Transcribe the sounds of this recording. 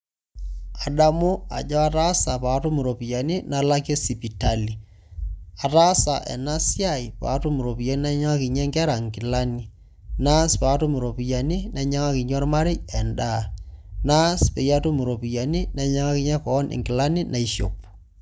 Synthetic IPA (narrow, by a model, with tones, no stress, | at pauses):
a˨da˦mo˦a̰˨d͡ʒɔ˦a˦ta˦sa˨pa˨˦to˦mɪ˨ɾo˨pi˨ja˨ni˦na˦la˦ke˦si˨pi˨ta˦li˨ | a˨ta˦sa˨ʔɛ̰˨na˦sja˦˨i˨pa̰ː˨˦tʊ˦mɪ˨ɾo˨pi˨ja˨ni˦na˦ɲa˦ŋa˦kɪ˨ɲɛ˦ŋɡɛ˦ɾa˨ŋkɪ˨la˦ni˦ | na˦spa˨˦to˦mɪ˨ɾo˨pi˨ja˨ni˦nɛ˦ɲa˦ŋa˦kɪ˨ɲɔ˦rma˦ɾɪ˦ɛ˨nda˦˨na˦spe˨ja˦tu˦mɪ˨ɾo˨pi˨ja˨ni˦nɛ˦ɲa˦ŋa˦kɪ˨˦ɲɛ˦kɔ˨˦nʔɪ̰˨ŋɡɪ˨la˦ni˦nʔa˨i˦ʃo̰˨p